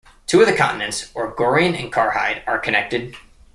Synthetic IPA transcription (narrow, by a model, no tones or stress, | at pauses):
tʰʉʌvðɨkʰɑ̰̃ʔn̩ɨ̃ntsɔɹɡɔɹiɨ̃nɨ̰̃nkʰɑɹha̰ɪɾə˞kʰɨnɛk̚tɨd̚